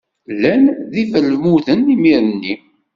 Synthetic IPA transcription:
lːænðivəlmuðənimiɾnːi

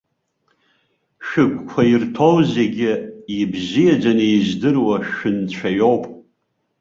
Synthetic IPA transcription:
ʃᶣɨkʷʼkʷʰairtʰo̞wze̞ɡʲɪibzijad͡ʒanejizdɨrwaʃʊnt͡ɕʷʰajo̞wpʼ

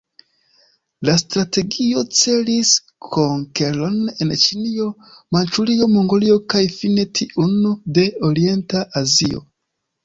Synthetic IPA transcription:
lastɾate̞ɡio̞t͡se̞lis | kʰoŋke̞lo̞ne̞nt͡ʃinio̞mant͡ʃulio̞mo̞ŋɡolio̞kajfine̞tʰiʔunude̞o̞ɾie̞ntaʔazio̞̰

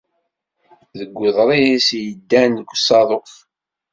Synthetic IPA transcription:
ðəɡʷːəðˤɾˤijisjəd̪ːænəkʷːsɑðˤof

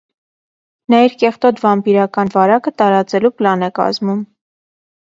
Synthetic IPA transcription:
nɑiɾkɛχt̪ɔd̪vɑmpiɾɑkɑnvɑɾɑkət̪ɑɾɑt͡sɛluplɑnɛkɑ̰zmum

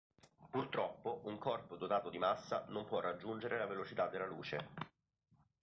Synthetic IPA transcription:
purt̪ɾɔpːoʔuŋkɔrpod̪ot̪aːt̪od̪imasːa̰nompwɔrːad͡ʒːund͡ʒeɾʔelavelot͡ʃit̪ad̪ːelːaluːt͡ʃḛ

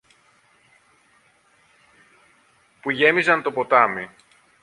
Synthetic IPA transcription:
puʝe̞mizɐnt̪o̞po̞t̪ɐmi

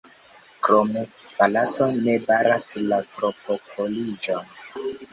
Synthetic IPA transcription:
kɾomepalatonebaɾaslatɾopokolid͡ʒon

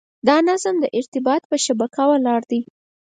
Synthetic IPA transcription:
d̪ɑnazamd̪əʔɪɾt̪ɪbɑt̪̚pəʃabakawəlɑɽd̪i

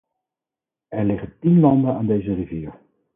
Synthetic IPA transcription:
ɛɹlɪχəntinlɑndənaːndejzəriviːɹ

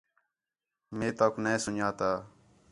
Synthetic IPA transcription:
meːt̪əknesʊnjaːt̪aː

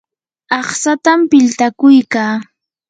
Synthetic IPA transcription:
ɑχsat̪ampɪlt̪akʊjkaː

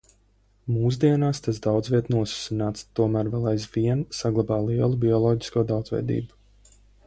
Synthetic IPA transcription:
muːz̬d̪iɛnaːst̪as̬d̪awd̪zvʲiɛt̪nuɔsu̥sinaːt̪st̪uɔmæːɾvɛlˠajzviɛnsaɡlˠabaːlˠiɛlˠubiɔlˠɔːɟiskuɔd̪awd̪zvɛ̰jd̪ḭːbu̥

